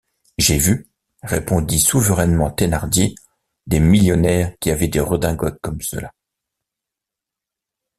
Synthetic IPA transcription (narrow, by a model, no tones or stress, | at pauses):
ʒevy | ʁḛpɔ̃d̪isuvəʁɛnmɑ̃t̪enaʁd̪je | d̪emiljɔnɛʁkʲiavɛd̪eʁəd̪ɛ̃ɡɔt̪̚kɔmsə̰la